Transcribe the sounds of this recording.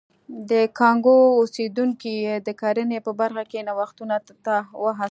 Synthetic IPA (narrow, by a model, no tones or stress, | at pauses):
d̪əkɑŋɡoosed̪uŋkijed̪əkaɾənepəbaɾxakenawaxt̪una | t̪awəɦa